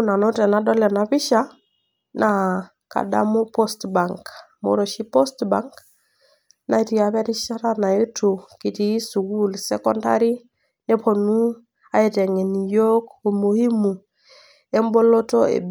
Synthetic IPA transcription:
na˨no˦tɛ˨na˨dɔ˦lɛ˨na˨pi˦ʃa˦ | na | ka̰˨da̰˦mu˦po˦stba˨ŋk | mo̰˨ɾo˨ʃi˦po˦stbaŋk | na˨i˦ti˨aβɛ˦ɾi˦ʃa˦ɾa˦na˨e˦tu˨ki˨ti˨˦su˨ɡu˦lsɛ˦kɔ˦nda̰˦ɾi˦ | ne˦po˨nu˦ | a˦e˨tɛ˨ŋe˨ni˨jo˦ku˨mu˨hi˦mu˨ | e˦mbo˦lo˦to˦ḛ˨b

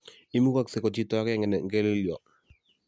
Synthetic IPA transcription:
i˦mu˦ka˦˨kse˨kɔ˨t͡ʃi˦tɔ˦a˦kɛ˦ŋɛ˨nɛ˨ŋ̩ɡɛ˦li˦ljɔ˨

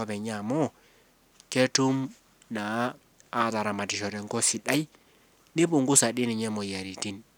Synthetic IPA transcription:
ɔ˦pɛ˨ɲa˨mɔ˦ | ke˦tu˦m | naː˨˦˨ | ta˨ɾa˨ma˨tɪ˨ʃɔ˨ɾɛ˨ŋɡɔ˦sɪ˨ɗa˦j | nɪ˦pʊ˨ŋɡʊ˦sa˨dɪ˦ni˨ɲɛ˦mɔ˨ja˨ɾi˨ti˦n

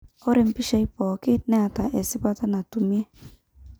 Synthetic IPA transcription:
o˦ɾɪ˨m̩˦pi˦ʃa˦i˦pɔ˨kɪ˦nɛ˦a˨ta˨ʔe˨sɪ˦pa˦ta˦na˨tu˨mi˦e˦

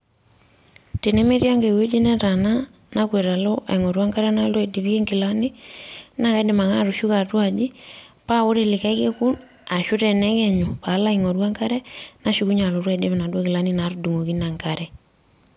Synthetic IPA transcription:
te˨ne˦me˦ɾja˦ŋɡe˨we˦d͡ʒe˦nɛ˦ta˨na˦ | na˦kwe˨ɾa˨lɔ˦ʔa̰˨i˨ŋɔ˨ɾwa˦ŋka˦ɾɛ˦na˦lwe˨di˨βi˦e˦ŋɡi˨la˦nɪ˦na˦ka˨˦de˨ma˨ŋa˦ɾu˨ʃu˦ka˨twa˨d͡ʒi˦pa˦o˦ɾe˨lɪ˨ka˦ke˦ku˦n | a˨ʃʊ˦tɛ˨nɛ˦kɛ˨ɲo˨pa˨˦la˦iŋɔ˨ɾwa˦ŋka˦ɾɛ˦na˦ʃu˦ku˦ɲa˨lo˨ɾwa˦i˨de˦βe˨na˨dwa˦ki˨la˦ni˦na˨˦ɾudu˨ŋo˨ki˦na˨ŋka˦ɾɛ˨

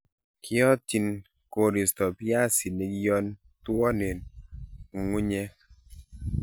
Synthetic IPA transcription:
kʰɪ˦ɔ˦ti˨n | ko˨ɾi˨stɔ˨pja˦si˨ne˨ɡi˦jɔ˦n | twɔ˦ne˨n | u˨ŋu˦ɲɛ˦

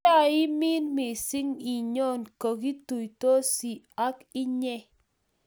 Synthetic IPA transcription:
a˦˨ɪ˦mɪ˦nmɪ˨sɪ˦ŋi˨ɲɔ˦˨nkɔ˨ki˦tu˨jtɔ˦si˨ | a˦kɪ˦ɲɛ˦˨

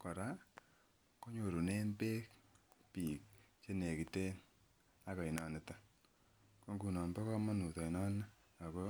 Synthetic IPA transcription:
kɔ˨ɾa˦ | ko˦ɲo˨ɾu˨ne˦npe˦kpi˨k̚t͡ʃe˦ne˨ki˨te˦n | a˦ka˨i˨nɔ˨ne˨˦ta˦ | ko˦ŋɡu˨nɔ˨nbɔ˦kɔ˦mɔ˦nu˨tɔ˨i˨nɔ˦ne˦ | a˨ko˦

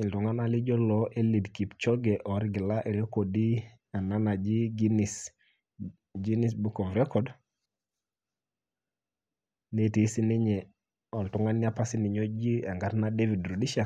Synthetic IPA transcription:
i˨ltu˨ŋa˦na˦li˦d͡ʒɔ˦lɔ˨ʔe˦li˨dki˨pt͡ʃɔ˦ɡɛ˨ʔɔ˨ɾiɡi˨la˦ʔe˨ɾe˦ko˨di˦ | a˨na˦na˨d͡ʒi˦ɡinis | d͡ʒi˦ni˦s̬bu˦kɔ˨vɾɛkɔd | ne˦ti˨˦si˦ni˦ɲɛ˨ | ɔ˨ltu˨ŋa˦nːi˦a˦pa˦si˦ni˨ɲo˦d͡ʒi˦a˨ŋɡa˦ɾna˦de˦vi˨dɾu˨di˦ʃa˨

